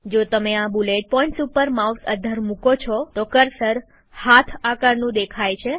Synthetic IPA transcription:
d͡ʒot̪əmeabuleʈ̚pɔĩɳʈsupəɾmausə̰d̪ʱəɾmũkot͡ʃʰɔt̪okəɾsəɾ | hat̪ʰakəɾnũd̪ekʰajt͡ʃʰe

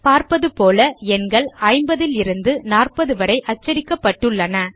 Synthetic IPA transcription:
paːɾpɐðɯpoːlɐɛnɡɐɭɐːɪmbɐðɪlɪɾɯnd̪ɯnaːrpɐðɯʋɐɾɐɪʔɐt͡ʃːɐɾɪkːɐpːɐʈːɯɭːɐnɐ

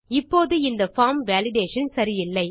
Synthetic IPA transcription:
ɪpːoːðɯɪnd̪ɐfaːmʋaːlɪɖeːʂɐnsɐɾɪjɪlːɐɪ

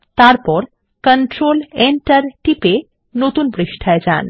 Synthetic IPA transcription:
t̪aɾpɔɾ | kənʈɾoleɳʈaɾʈipe | not̪unbɾiʃʈʰaed͡ʑa̰n

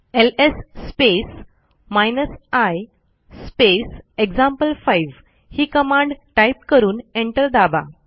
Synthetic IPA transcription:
elesːpes | majnəsaj | speseɡd͡zãmpəlfajʋ | hiːkəmãɳɖʈajp̚kəɾuːneɳʈəɾd̪aba̰

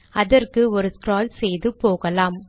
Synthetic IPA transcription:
ɐðɐrkɯɔɾɯskɾaːlsɛjðɯpoːɣɐlaːm

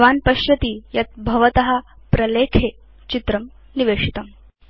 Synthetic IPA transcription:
ʋaːnpɐɕjɐt̪iːjɐt̪̚bʱɐʋɐt̪ɐɦɐ | pɾɐleːkʰeː | t͡ɕit̪ɾɐm | niʋeːʂit̪ɐm

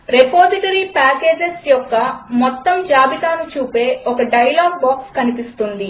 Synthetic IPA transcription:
ɾepoːsiʈɐɾipaːke̞ːd͡ʒesjɔkːɐmɔt̪ːɐmd͡ʒaːbit̪aːnut͡ʃuːpe̞ːɔkɐɖɐjɐlaːɡ̚baːkskɐnipist̪und̪i

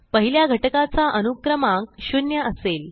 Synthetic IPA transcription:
pəɦiljaɡʱəʈəkat͡saʔənukɾəmak̚ɕunjəʔəsel

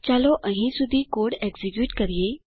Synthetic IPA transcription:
t͡ɕaloʔə̃ɦĩsud̪ʱːiːkoɽɛɡd͡zikjuːʈkəɾje

